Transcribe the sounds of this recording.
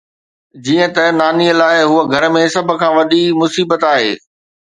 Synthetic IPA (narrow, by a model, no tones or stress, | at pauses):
d͡ʑiːə̃t̪ɐnaːniəlaːɪɦuəɡʱɐɾ̆mẽsɐb̆ʱkʰãːʋɐɗimʊsiːbət̪aːɦeː